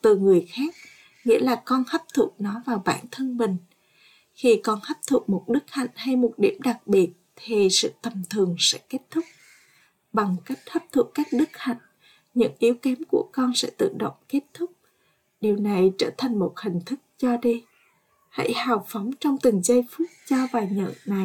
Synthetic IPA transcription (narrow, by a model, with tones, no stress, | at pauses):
t̪ɨ˨˩ŋɨ˨˩əjxaː˦˥k̚ | ŋḭ˧˥əlaː˨˩kɔ˧nhə˦˥p̚t̪ʰṵ˨˩k̚nɔ˨˦vaː˨˩wɓa̰ː˧˩nt̪ʰə˧nmï˨˩ŋ̟ | xi˧kɔ˧nhə˦˥p̚t̪ʰu˨˩k̚mo˨˩t̚ɗɨ˦˥k̚ha̰˧˨jŋ̟ha˧jmo˨˩t̚ɗi˧˩əmɗa˨˩k̚ɓi˨˩ət̚t̪ʰi˨˩sɨ̰˧˨t̪ə˨˩mt̪ʰɨ˨˩əŋsɛ̰˧˥ke˦˥t̚t̪ʰʊ˦˥k͡p̚ | ɓa˨˩ŋka˦˥jk̟̚həː˦˥p̚t̪ʰu˧˩ək̚ːaː˦˥k̚ɗɨ˦˥k̚ha̰˧˨jŋ̟ | ɲɨ̰˧˥ŋʔi˨˦əwkɛ˨˦mku˧˩əkɔ˧nsɛ̰˧˥t̪ɨ̰˧˨ɗo̰˧˨wŋ͡mke˦˥t̚t̪ʰʊ˦˥k͡p̚ | ɗi˨˩əwna˨˩jt͡ɕəː˧˩t̪ʰa˨˩jŋ̟mo˨˩t̚hï˨˩ŋ̟t̪ʰɨ˦˥k̚zɔ˧ɗi˧ | ha̰˧˥jhaː˨˩wfɔ˨˦wŋ͡mt͡ɕɔ˧wŋ͡mt̪ï˨˩ŋ̟zə˧jfu˦˥ət̚zɔ˧vaː˨˩ɲə̰˧˨ʔna˨˩j